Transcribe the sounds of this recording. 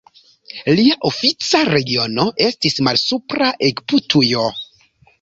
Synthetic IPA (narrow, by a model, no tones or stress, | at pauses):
liaʔo̞fit͡saɾe̞ɡio̞no̞ʔe̞stismalsupɾaʔekputʰujo̞